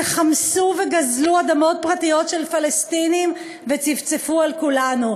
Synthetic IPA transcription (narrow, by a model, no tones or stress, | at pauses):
χamsuveɡazluad̪amo̞t̪̚pʁat̪ijo̞tʃelfalest̪inim | vet͡sivt͡sefualkulanu